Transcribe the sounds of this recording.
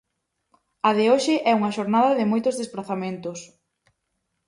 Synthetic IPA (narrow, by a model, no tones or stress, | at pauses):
ɐðɪoʃɪʔɛuŋɐʃoɾnaðɐðɪmojt̪ʊzðespɾaθamẽnt̪ʊs